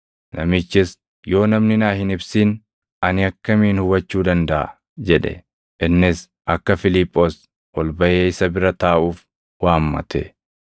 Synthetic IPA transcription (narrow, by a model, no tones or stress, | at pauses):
nɐmɪt͡ʃːɪs | jo̞ːnɐmnɪnaːhɪnɪbsiːn | ɐnɪɐkːɐmiːnhʊwɐt͡ʃːuːd̪ɐnd̪ɐʔɐ̰ | d͡ʒɛᶑɛ̰ | ʔɪnːɪs | ʔɐkːɐfɪlɪpʼːoːs | wɔlbɐʔeːɪsɐbɪɾɐt̪aːʔuːf | waːmːɐ̰t̪ɛ̰